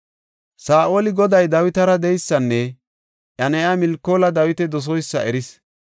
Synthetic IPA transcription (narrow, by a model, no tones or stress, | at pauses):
saːʔoːlɪɡɔd̪ɐjd̪ɐwɪt̪ɐɾɐd̪ɛjsːɐnːɛ | ʔjɐnɛjamɪlkːoːlɐd̪ɐwɪt̪ɛd̪ɔs̬ɔjsːɐʔɛɾɪs